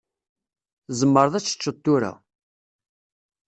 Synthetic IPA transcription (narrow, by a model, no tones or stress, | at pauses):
zəmːəɾˤðæt͡sːə̥t͡ʃːət̪ːʊɾæ̰